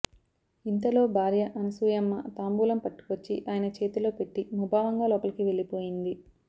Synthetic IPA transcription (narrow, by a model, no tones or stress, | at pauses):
int̪ɐlo̞ːbʱaːɾjɐʔɐnɐsuːjɐmːɐt̪aːmbuːlɐmpɐʈːu̥kot͡ʃːiʔaːjɐnɐt͡ʃe̞ːt̪ulo̞ːpe̞ʈːimubʱaːʋɐŋɡaːlɔːpɐlɐkiʋe̞ɭːipo̞ːjind̪i